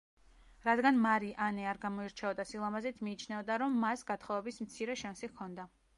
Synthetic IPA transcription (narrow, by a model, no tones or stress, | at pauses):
ɾad̪ɡanmaɾiʔanɛaɾɡamɔiɾt͡ʃʰɛɔd̪asilˠamazɛt̪ʰmiːt͡ʃʰnɛvd̪aɾɔmːasɡat̪ʰχɔvɛbismt̪sʰiɾɛʃansikʰɔnd̪a